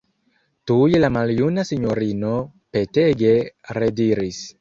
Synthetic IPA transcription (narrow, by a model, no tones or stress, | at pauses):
tujelamaljunasiɲoɾinope̞teɡe̞ɾediɾis